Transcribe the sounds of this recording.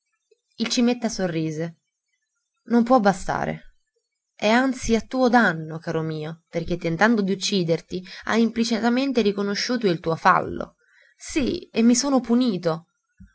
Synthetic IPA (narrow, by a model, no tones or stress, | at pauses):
ilt͡ʃimet̪ːasorːiːze | nompwɔbast̪a̰ːɾḛ | ɛant̪siat̪ːuːod̪anːokaːɾomiːoperk̟et̪ːent̪and̪od̪iut͡ʃːiːd̪ert̪ia̰jimplit͡ʃit̪ament̪eɾikonoʃːuːt̪oilt̪uːofa̰lːo̰ | siemːisoːnopuniːt̪o